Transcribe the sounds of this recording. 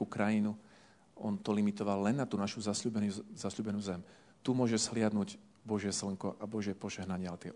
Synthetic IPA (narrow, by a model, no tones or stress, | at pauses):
ukɾajinu | ʔɔ̰nt̪ɔlimit̪ɔʋalːɛnːat̪uːnaʃuzasubɛnzasʎuːbɛnuzɛm | t̪umʊɔʒɛzɦlɪad̪nuɟ | bɔʒɪɛsl̩ŋkɔʔabɔʒɪɛpɔʒɛɦnaɲɪat̪ɪɛ̰